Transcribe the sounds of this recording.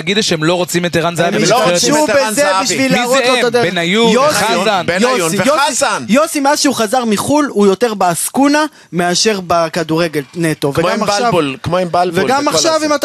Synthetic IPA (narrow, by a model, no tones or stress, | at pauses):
aɡid̪ʃeemlo̞ʁot͡simet̪eʁanzaamiʃubezebiʃvilizlotod̪ebenajujosaanbjoivjoaisajosimeazʃeuχazaʁmiχulujo̞te̞ʁbeaskuna | meaʃe̞ʁbekaduʁeɡe̞lnet̪oveɡamʃavkmoembalveɡamaχʃavimat̪